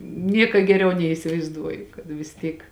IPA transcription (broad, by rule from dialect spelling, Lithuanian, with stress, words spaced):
ˈnʲiɛkɐ ɡʲɛˈrʲɛʊ nʲɛɪsʲɪʋɐɪzˈduɔjʊ kɐt ʋʲɪs ˈtʲiːk